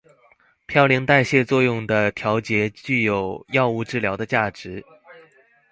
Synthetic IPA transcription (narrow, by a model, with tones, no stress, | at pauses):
pʰjɑ˥˩ʊlji˧˥ŋt̪a˥˧ɪɕjɛ˥˧t͡swɔ˥˧jʊ˥˩ŋd̪ə˩t̪ʰjɑ˧˥ʊt͡ɕjɛ˧˥t͡ɕy˥˩jo˨˩ʊjɑ˥˧ʊu˥˧ʈ͡ʂɻ̩˥˩ljɑ˧˥ʊd̪ə˧t͡ɕja˥˩ʈ͡ʂɻ̩˧˥